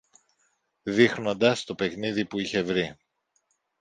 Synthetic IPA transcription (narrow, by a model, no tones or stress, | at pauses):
ðixno̞nd̪ɐst̪o̞pe̞kniðipuiçe̞vɾi